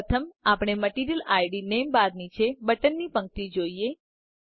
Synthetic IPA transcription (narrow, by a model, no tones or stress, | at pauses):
ət̪ʰəmapɽ̃eməʈiɾijəlajɖinembaɾnit͡ʃʰebəʈənːipə̃ŋk̚t̪id͡ʒoie